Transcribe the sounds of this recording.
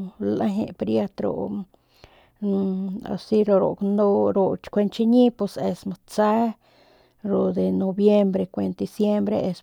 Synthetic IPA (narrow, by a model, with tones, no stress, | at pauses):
la˦ɦḛ˧pɾja˦t̪ɾo̰˨ | a̰˧si˦ɾo˧ɾo̰˨kno˧ɾo˧t͡ʃkʷe˧nt͡ʃi˧ɲi˦pe˧se˧sma˧t͡sa˦ | ɾo˨d̪e˨no˧bje˦mbɾe˧kʷe˧nt̪d̪i˧sje˦mbɾe˧ʔe˧s